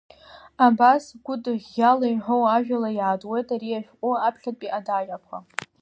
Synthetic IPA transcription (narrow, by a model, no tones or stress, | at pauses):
abasɡʷʊdʼjalajħʷowaʒᶣalajaːdʼwe̞jtʼaɾiaʃᶣkʷʼʊapʰχʲatpʼiʔadaʒᶣakʷʰa